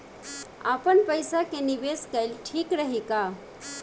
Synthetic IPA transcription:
apəɳpəjsakeniʋeskajlʈʰiːkɾəɦika

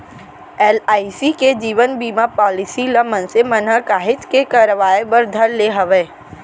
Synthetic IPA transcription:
ɛːlaːisiked͡ʒiːʋənbiːmapɔːlɪsiləmə̃nsemənəkaːɦɪt͡ʃkekaɾəʋaːebəɾd̪ʱɐɾleɦɐʋeː

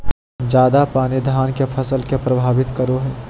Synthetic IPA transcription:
d͡ʒaːd̪apaːnid̪ʱaːnkepʰəsəlkepɾəbʱaːʋɪt̪kəɾoɦɛː

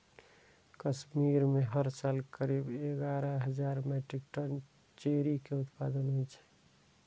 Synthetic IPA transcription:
kəsmiɾmeɦəɾsaːlkəɾibeɡaɾəɦəd͡ʒaːɾmɛʈɾik̚ʈən | t͡ʃeɾikeʊt̪pad̪ənɦojt͡ʃʰɛ̥

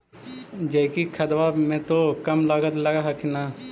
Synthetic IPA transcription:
d͡ʒɐɪkikʰɐd̪ʋamẽt̪okɐmlaːɡət̪lɐɡaɦɐkʰɪnaː

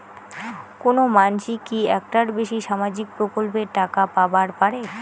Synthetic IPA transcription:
konomanʃikiɛk̚ʈaɾbeʃiʃamad͡ʑik̚pɾokolpeɾʈakapabaɾpaɾe

